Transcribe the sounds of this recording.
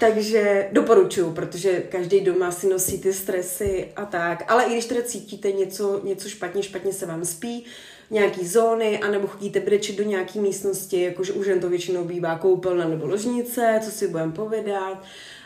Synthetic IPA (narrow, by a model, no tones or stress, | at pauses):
t̪aɡʒɛdo̞po̞ɾut͡ʃujupɾot̪oʒɛkaʒdɛjdo̞masɪno̞siːt̪ɪst̪ɾɛsɪʔat̪akʔalɛʔɪɡdɪʃt̪ɛdat͡siːciːt̪ɛɲɛt͡so̞ɲɛt͡so̞ʃpat̪ɲɛʃpat̪ɲɛsɛvaːmspiː | ɲɛakiːzo̞ːnɪʔanɛboxo̞ɟiːt̪ɛbɾɛt͡ʃɪdoɲɛakiːmiːst̪no̞scɪjakoʒɛʔuʒvɛnt̪ovjɛt͡ʃɪno̞wbiːvaːko̞wpɛlnanɛbo̞loʒɲɪt͡sɛt͡so̞sɪbudɛmpo̞vɪdat̪